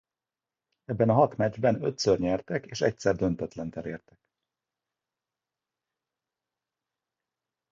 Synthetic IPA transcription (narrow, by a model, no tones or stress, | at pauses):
ɛbːɛnɒɦɒt̪mɛd͡ʒbɛnø̞̰t̪sørɲɛrt̪ɛkeːʃɛ̰c̚sɛrd̪ø̞nt̪ɛt̪lɛnt̪ɛɾeːrt̪ɛ̥k